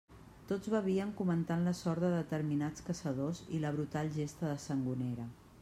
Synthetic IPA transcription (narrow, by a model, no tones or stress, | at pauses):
t̪od͡zβəβ̞iəŋkumənt̪anləsɔɾt̪̚d̪əðət̪əɾminat͡skəsəðozḭləβ̞ɾut̪alʒest̪əðəsəŋɡuneɾə